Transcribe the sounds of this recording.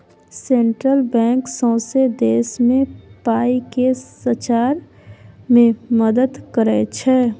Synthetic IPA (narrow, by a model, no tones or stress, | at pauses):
sẽːɳʈɾəlbɛ̃ːŋksɔ̃ːsed̪eːsmẽpaːikesət͡ʃaːɾ | mẽməd̪əd̪kəɾɛt͡ʃʰɛ